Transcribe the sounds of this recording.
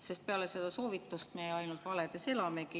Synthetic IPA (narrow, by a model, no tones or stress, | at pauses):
se̞st̪̚peɑlese̞d̪̥ɑso̞ːvit̪ːˑust̪mejɑjnult̪vɑled̪̥e̞se̞lɑmeki